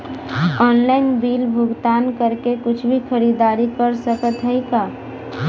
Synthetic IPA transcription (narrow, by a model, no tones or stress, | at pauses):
ɔːnlaːɪnbiːlbʱʊɡt̪aːnkəɾkekʊt͡ʃʰbʱixɐɾiːd̪aːɾipəɾsəpət̪ʰɦəikaː